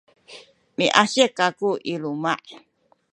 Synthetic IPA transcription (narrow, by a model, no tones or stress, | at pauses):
miʔaɕekakuʔilumaʔ